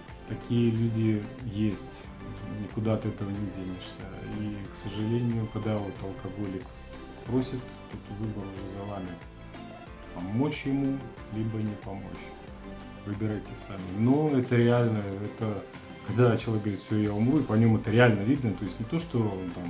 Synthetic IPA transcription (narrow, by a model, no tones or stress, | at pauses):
t̪ɐkʲijəlʲudʲɪjesʲtʲ | nʲɪkʊd̪at̪ɨɛt̪əvənʲɪdʲenʲɪʂsʲə̰iksəʐɨlʲenʲɪjʊkɐɡd̪avot̪ɐlˠkɐɡo̞lʲɪk | pɾosʲɪt̪ː | ot̪vɨbəɾʊʐɛzɐlˠamʲɪ | pɐmo̞t͡ɕjɪmu | lʲibənʲɪpɐmo̞̰t͡ɕ | vɨbʲɪɾajtʲɪsamʲɪnoɛt̪əɾʲɪalʲnəɛt̪ə | kɐɡd̪at͡ɕɪlˠɐvʲekɡəvɾʲit̪ʲfsʲojaʊmɾuipɐnʲo̞mɛt̪əɾʲɪalʲnəvʲid̪nət̪o̞ɪsʲtʲnʲɪt̪o̞ʂt̪oont̪am